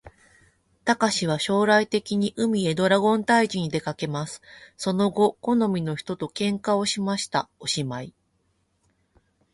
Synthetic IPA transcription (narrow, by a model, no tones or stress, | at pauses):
t̪akaɕiβ̞aɕo̞ːɾait̪e̞kʲiɲ̟iʔɯ̟mʲie̞d̪o̞ɾaɡõ̞nt̪aiʑiɲ̟id̪e̞kake̞masɨ̥so̞no̞ɡo̞ko̞no̞mʲino̞çi̥t̪o̞t̪o̞kẽ̞ŋkao̞ɕimaɕi̥t̪ao̞ɕimai